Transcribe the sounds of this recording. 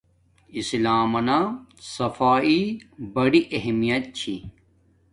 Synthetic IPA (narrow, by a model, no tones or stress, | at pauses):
islaːmɐnasɐfaːibɐɽiʔɐɦmijɐt̪̚t͡ɕʰḭ